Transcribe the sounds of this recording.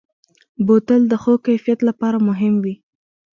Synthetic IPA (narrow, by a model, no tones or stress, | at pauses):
bot̪əld̪əxokajfijat̪lapɑɾamʊɦɪmwi